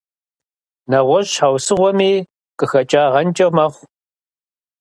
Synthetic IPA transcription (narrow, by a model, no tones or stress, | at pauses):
nɐʁʷɔʒɕawsɨʁʷɔmiː | kʼɨxɐt͡ʃʼaːʁɐnt͡ʃʼɐwmɐχʷ